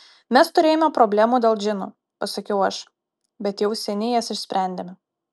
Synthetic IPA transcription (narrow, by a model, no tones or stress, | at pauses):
mʲɛst̪ʊɾʲeːjomʲɛpɾobʲlʲæːmuːd̪ʲeːlˠd͡ʒʲɪnṵː | pɐsɐkʲɛʊɐʃ | bʲɛt̪jɛʊsʲɛnʲɪjɛsɪʃʲsʲpʲɾʲæˑnʲd̪ʲeːmʲɛ